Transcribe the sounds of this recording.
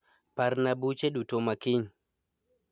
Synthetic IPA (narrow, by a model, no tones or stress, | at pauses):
paɾnabut͡ʃeɗutomakiɲ